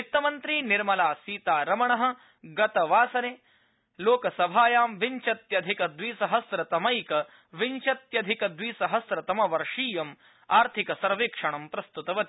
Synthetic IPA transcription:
it̪ːɐmɐnt̪ɾiːniɾmɐlaːsiːt̪aːɾɐmɐɳɐɦɐ̆ | ɡɐt̪ɐʋaːsɐneː | loːkɐsɐbʱaːjaːmʋiɲt͡ʃɐt̪jɐd̪ʱikɐd̪ʋiːsɐɦɐsɾɐt̪ɐmɐjkɐ | ʋiɲt͡ʃɐt̪jɐd̪ʱikɐd̪ʋiːsɐɦɐsɾɐt̪ɐmɐʋɐɾʂiːjɐm | aːɾt̪ʰikɐsɐɾʋeːkʂɐɳɐmpɾɐst̪ut̪ɐʋɐt̪i

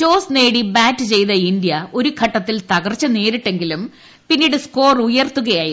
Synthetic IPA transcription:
t͡ɕo̞ːsne̞ːɽibaːtːɨt͡ɕe̞jt̪ɐindijɐo̞ɾukʰɐʈːɐt̪ːilt̪ɐɣɐrt͡ɕːɐne̞ːɾiʈːe̞ŋɡilum | pinːiːɽɨsko̞ːrujɐrt̪ːuɣɐjaːji

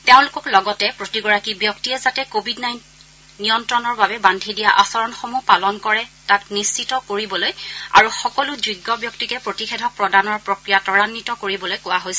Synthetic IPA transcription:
teʊ̃lʊkɔklɔɡɔtɛpɹotiɡɔɹakibjɔktiɛzatɛkobʱidnajnt | nijɔntɹɔnɔɹbabɛbandʱidijaʔasɔɹɔnxomupalɔnkɔɹɛtaknist͡ʃitɔkoɹibɔloja̰ɹuxɔkɔluziɡːɔbjɔk̚tikɛpɹotixɛdʱɔpɹɔdanɔɹpɹokɹijatɔɹanːitɔkoɹibɔlojkʊwaɦojsɛ

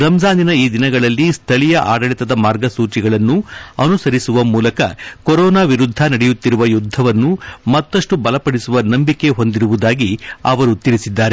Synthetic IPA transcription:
ɾɐmd͡ʒaːninɐiːd̪inɐɡɐɭɐlːist̪ʰɐɭijɐʔaːɖɐɭit̪ɐd̪ɐmaːɾɡɐsuːt͡ʃiɡɐɭɐnːuɐnusɐɾisuʋɐmuːlɐkɐ̰koɾɔːnaːʋiɾud̪ʱːɐnɐɽɛjut̪ːiɾuʋɐjud̪ʱːɐʋɐnːumɐt̪ːɐʂʈubɐlɐpɐɽisuʋɐnɐmbike̞ɦo̞nd̪iɾuʋud̪aːɡiɐ̰ʋɐɾut̪iɾisid̪ːaːɾe

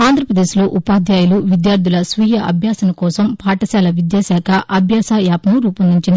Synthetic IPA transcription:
aːnd̪ʱɾɐpɾɐd̪e̞ːsloːʔupaːd̪jaːjuluʋid̪jaːɾd̪ʱulɐsʋiːjɐʔɐ̰bʱjaːsɐnɐkɔːsɐmpaːʈɐsaːlɐʋid̪jaːsaːkʰɐʔɐbʱjaːsaːjaːpɐnuɾuːpɐnd̪iɲt͡ʃind̪i

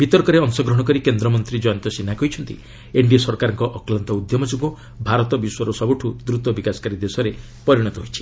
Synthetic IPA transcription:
b̥it̪ɔɾkɔɾeɔŋsɔɡɾɔɦɽ̃ɔkɔɾikend̪ɾɔmɔnt̪ɾid͡ʒɔjant̪ɔsinːakɔɦit͡ʃʰɔnt̪ḭ | eɳɖiɔsɔɾkaɾɔŋkɔʔɔklant̪ɔud̪jɔmɔd͡ʒuɡu | bʱaɾɔt̪ɔbiswɔɾɔsɔbuʈʰud̪ɾut̪ɔbikasɔ̥kaɾid̪esɔɾe | pɔɾiɽ̃ɔt̪ɔɦojt͡ʃʰi̥

